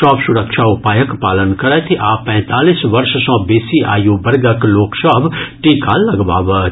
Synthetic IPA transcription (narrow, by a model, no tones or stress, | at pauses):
ʃɔ̃ːpsʊɾəkʃaʊpaːjəkpaːlənkɐɾɛt̪ʰiʔaːpɛ̃ːt̪aːlisʋɐɾʃsɔ̃ːbeːsiʔa̰ːjobɐɾɡəkloːksəbʈiːkaːlːɐɡʋa̰ːʋə